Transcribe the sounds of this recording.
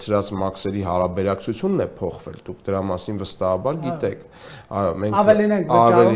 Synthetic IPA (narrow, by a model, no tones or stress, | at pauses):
t͡sʰɾɑt͡smɑksɛɾiɦɑɾɑbɛɾɑkt͡sʰut͡sʰjunːɛpʰɔχvɛ̰ld̪ukʰd̪əɾɑmɑsinvəst̪ɑhɑbɑɾɡit̪ɛkʰ | ɑmɛŋkvɛlinɛŋkʰɑvɛli